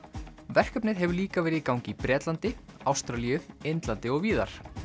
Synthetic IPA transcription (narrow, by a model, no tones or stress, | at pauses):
vɛr̥kœpnɪðɦɛvʏliːkavɛːɾɪðikawŋcɪipɾɛːt̪lant̪ɪawst̪ɾalijʏejnt̪lant̪ɪɔɣviːða̰ɾ̥